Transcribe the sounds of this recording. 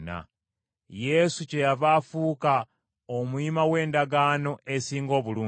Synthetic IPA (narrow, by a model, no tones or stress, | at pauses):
na̰ | je̞suce̞javafuka | omuimawe̞ːndaɡaːno̞esiːŋɡo̞ːβuluː